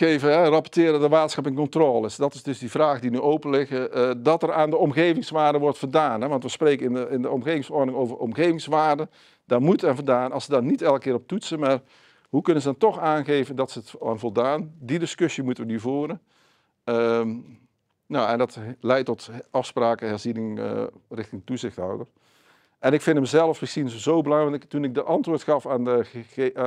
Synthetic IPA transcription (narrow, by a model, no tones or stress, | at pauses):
evəɦɛrɑpɔrtɪːɾədəʋaːtsxɑpɪŋkɔntroːlˠɪsdɔtɪsdɵzdivraːɣdinyʔowpənlɪɣədɔtəraːndəɔmɣeːvɪŋsʋaːɹdəʋɔrtfərdaːnɦɛʋɑntʋəsprejkəɪnəɪndəɔmɣeːvɪŋsɔɹrdnɪŋoːwvərɔ̰mɣeːvɪŋsʋaːrdə | d̥aːmutəɛnvədaːnɑ̰lˠsədɔnitɛlˠk̚ːɪːrɔp̚tutsənmar | ɦukɵnənzədɔntɔxaːnɣeːvəndɑtsətaːnvɔlˠdaːndidɪskøsjimutəʋənyvoːɾən | ə | noɛndɑtlɛjtɔtɑfspraːkəɦɛɹzinɪŋə̰rɪxtɪŋətuzɪxtɦɔ̰wdər | ʔɛnɪkfɪndəməzɛlˠəfbəsinzəzowbəlɑŋrɑntɪktunɪk̚dəʔɑntʋʊːɹtxɑfaːnə